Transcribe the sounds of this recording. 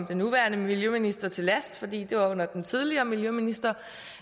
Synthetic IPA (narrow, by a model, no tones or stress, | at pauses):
md̥enːuʋæɐnəmiljøminisd̥ɐt͡sʰe̝læsd̥fɒ̽d̥ḭːd̥e̝ʋɑ̈ɔ̽n̰ɐd̥ent͡sʰið̞ˠliɐːmiljøminisd̥ɐ